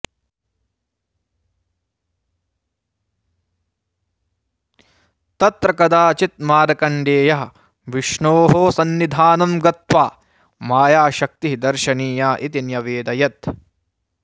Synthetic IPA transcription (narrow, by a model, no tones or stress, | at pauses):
t̪ɐt̪ɾɐkɐd̪aːt͡ʃit̪̚maːɾɐkɐɳɖeːjɐɦɐ | ʋiʃɳoːɦoːsɐnːid̪ʱaːnɐmɡɐt̪ʋaː | maːjaːʃɐk̚t̪iɦid̪ɐɾʃɐniːjaːʔit̪injɐʋeːd̪ɐjɐt̪